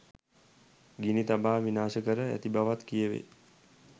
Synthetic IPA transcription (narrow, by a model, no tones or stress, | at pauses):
ɡinit̪abaːʋinaːʃəkəɾəæ̰t̪ibaʋat̪kijəʋḛ